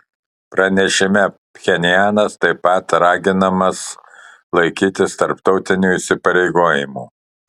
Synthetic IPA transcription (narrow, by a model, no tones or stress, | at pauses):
pɾɐnʲɛʃʲɪmʲɛ | pʲxʲɛnʲɪjæːnɐst̪ɐɪpɐt̪ɾɑːɡʲɪnɐmɐs | lˠɐɪkʲiːt̪ʲɪst̪ɐɾpt̪ɒʊt̪ʲɪnʲuːisʲɪpɐɾʲɛɪɡoːjɪmṵː